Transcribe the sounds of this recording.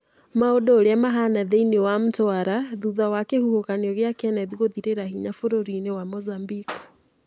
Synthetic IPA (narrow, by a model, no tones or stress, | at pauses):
maodɔːɾeamaɦanaðeiniɔwam̩tɔaɾaðuðawakehuhokaneɔɣjakɛnɛðiɣoðiɾeɾaɦiɲafoɾoɾinewamɔzambik